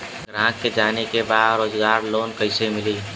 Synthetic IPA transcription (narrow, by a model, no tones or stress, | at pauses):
ɡɾãːkːed͡ʒaːnekebaːd̪ɾoːzɡaːɾloːnkəɪsemɪliː